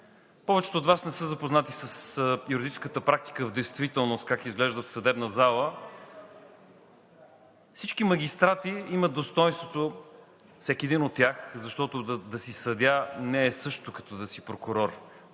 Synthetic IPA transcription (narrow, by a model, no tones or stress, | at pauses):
pɔvɛt͡ʃɛ̥t̪oːt̪vasnɛsɤzɐpoznat̪isəsjuɾid̪it͡ʃɛskət̪əpɾak̚t̪i̥kəvd̪ɛjst̪vit̪ɛlˠnost̪kakizɡlɛʒd̪əfsɐd̪ɛbnəzalˠə | fsit͡ʃkimɐɡ̟ʲist̪ɾat̪iimət̪̚d̪ost̪ɔjnst̪vot̪o | fsɛkʲiɛd̪inot̪ːʲjaxzɐʃt̪ɔt̪ʊd̪d̪ɐsisɐd̪ʲanɛːsɤʃt̪ʊkɐ̥t̪ɔd̪ɐsipɾokʊɾɔɾ